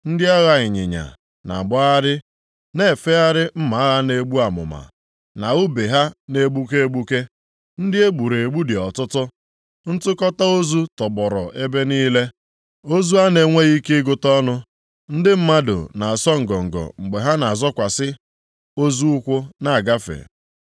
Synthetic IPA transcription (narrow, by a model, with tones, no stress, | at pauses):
n̩˦dɪ˦a˦ɣa˨ɪ˨ɲɪ˨ɲa̰˨ | na̰˨ɡ͡bɔ˦a˦ɾɪ˦ | ne˦˨fe˦a˦ɾɪ˦m̩˦ma˨a˦ɣa˦ne˨ɡ͡bu˦a˨mʊ̰˨ma̰˨ | na˨o˦be˨ɦa˦ne˦ɡ͡bu˦ke˦e˦ɡ͡bu˦ke˦ | n̩˦dɪ˦e˦ɡ͡bu˨ɾe˨ɡ͡bu˦dɪ˨ɔ˨tʊ˦tʊ˦ | n̩˦tʊ˦kɔ˦ta˦o˦zu˦tɔ˨bɔ˨ɾɔ˨ʔe˦be˦niː˦le˦ | o˦zu˦a˦ne˨ŋʷe˦ɣi˦ke˦ɡʊ˨tɔ˦nʊ˦ | n̩˦dɪ˦m̩˦ma˦dʊ̰˨na˨a˨sɔ˦ŋ̩˨ɡɔ˨ŋ̩˨ɡɔ̰˨ŋ͡m̩˨ɡ͡be˨ɦa˦na˨zɔ˦kʷa˨sɪ˦ | o˦zu˦u˦kʷʊ˦na˨a˨ɡa˦fḛ˨